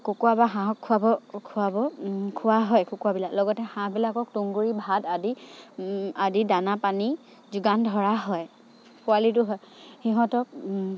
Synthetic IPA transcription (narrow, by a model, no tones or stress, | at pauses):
kokuabaɦãɦɔkʰːʊabɔkʰuabɔkʰʊwaɦɔjkokuabilaklɔɡɔtɛxãbilakɔk̚tuŋɡuɹibʱadadi | adidanapani | zuɡandʱɔɹaɦɔj | pʰʊalitʊɦɔj | xiɦɔ̃tɔk̚